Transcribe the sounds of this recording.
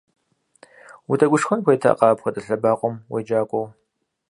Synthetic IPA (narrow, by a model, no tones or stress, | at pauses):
wutʰɐɡʷʊʂxɐnxʷejtʰa̰qʼɑːpxʷɔtʼɐɬɐbaːqʷʼɔmwed͡ʒaːkʷʼɔw